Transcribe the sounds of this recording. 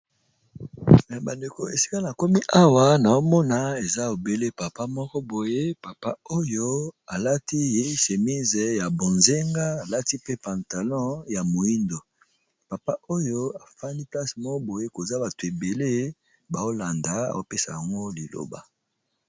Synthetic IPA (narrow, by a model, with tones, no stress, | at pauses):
ja˨ba˨nde˨ko˨ḛ˨si̥˦ka˦na˨ko˦mi˦ʔa˦wa˦na˨o˦mɔ˦na˨e˨za˦o˨be˦le˦pa˨pa˦mɔ˦kɔ˦bo˨je˦pa˨pa˦o˦jo˦a˨la˦ti˦je˦se˨mi˦zɛ˨ja˨bo˨nze˦ŋɡa˦a˨la˦ti˦pe˦pã˨ta˨lɔ̃˦ja˨mo˨i˦ndo˨ | pa˨pa˦ʔo˦jo˦a˨fa˦ndi˦pla˦smɔ˦kɔ˦bo˨je˦ko˨za˦ba˨to˨e˨be˨le˦ | ba˨o˦la˨nda˨˦a̰˨o˦pe˦sa˨ja˨ŋɡo˦li˨lo̰˦ba̰˨